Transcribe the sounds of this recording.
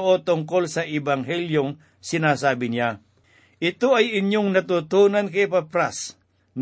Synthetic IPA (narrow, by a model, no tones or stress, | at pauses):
ʔot̪ʊŋkolsɐʔɪbaŋɦɛljoŋ | sɪnaːsaːbɪnɪa | ʔɪt̪oɐjɪɲjoŋnɐt̪ut̪uːnɐnkɐpapɾas | n